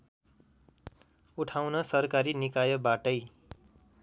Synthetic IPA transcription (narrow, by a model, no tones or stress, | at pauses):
uʈʰawnʌsʌrkaɾinikajʌbaʈʌj